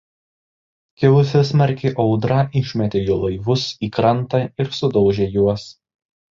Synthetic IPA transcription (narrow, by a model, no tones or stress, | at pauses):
kʲɛʊsʲɛsmɐɾʲkʲɪʔɒʊd̪ɾɐʔɪʃʲmʲɛt̪ʲejoːlˠɐɪʋʊsiːkɾɐnˑt̪ɐɪɾsʊd̪ɒʊʒʲeːjuɔs